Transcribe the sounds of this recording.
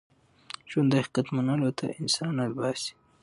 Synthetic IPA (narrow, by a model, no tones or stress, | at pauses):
ʒʊnd̪ḁqat̪manalot̪ʰa̰ɪnsɑnalbɑsi̥